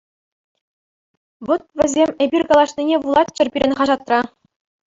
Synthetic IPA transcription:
ʋot̪̚ʋʲɘ̆zʲemʲebʲirʲkɑlˠɑʂnʲinʲeʋulˠɑt̪ʲt͡ɕɘ̆rpʲiɾʲɘ̆nʲχɑʐɑt̪rɑ

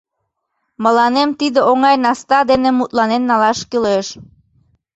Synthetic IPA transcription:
məlɑnemt̪id̪eoŋɑjnɑst̪ɑd̪enemut̪lɑnenːɑlɑʃkileʃ

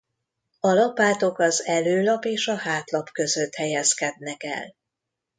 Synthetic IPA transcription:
ɒlɒpaːt̪o̞kɒzɛløːlɒpeːʃɒhaːt̪lɒpkø̞zøt̪hɛjɛskɛd̪̚nɛkɛ̰l

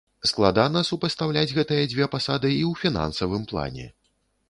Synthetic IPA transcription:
sklˠad̪anɐsupɾɐst̪awlʲad͡zʲɣɛt̪ɨjɐd͡zʲvʲɛpasad̪ɨiwfʲina̰nsɐvɨmplˠa̰nʲɛ̰

